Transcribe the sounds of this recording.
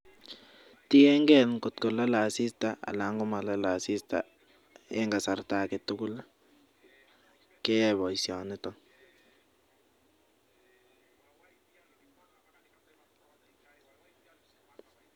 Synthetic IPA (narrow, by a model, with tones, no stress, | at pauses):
ti˦ɛ˦ŋɡɛ˦˨lkʊ˨tkɔ˨la˦la˨si˦sta˦ʔa̰˨la˨˦ŋɡɔ˦ma˨la˦la˨si˦sta̰˨ | e˦ŋɡa˨sa˨rta˨ke˨tu˦kʊ˦la | kɛ˦ɛβɔ˨isja˨nɪ˦tɔ˦ŋ